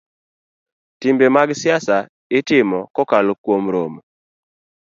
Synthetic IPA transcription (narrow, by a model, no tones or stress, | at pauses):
timbemaɡsjasa | ɪtɪmɔkɔkalokwomɾom